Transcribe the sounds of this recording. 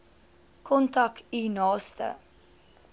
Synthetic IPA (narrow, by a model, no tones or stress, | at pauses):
kʰɔntɐkinɑːstə̰